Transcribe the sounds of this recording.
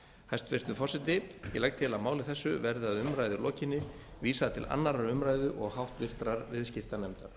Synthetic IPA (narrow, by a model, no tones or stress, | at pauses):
hajst̪vɪr̥t̪ʏfɔrsɛt̪ɪjɛ̰lajkt̪ʰɪlaðmaːwlɪθɛsːʏvɛɾðɪaðʏmɾajðʏlɔːcɪnːɪ | viːsaðat̪ʰɪ̰lʔa̰nːaɾaɾʏmɾajðʏʔɔɣhawht̪vɪr̥t̪ɾaɾvɪðscɪft̪anɛmt̪aɾ̥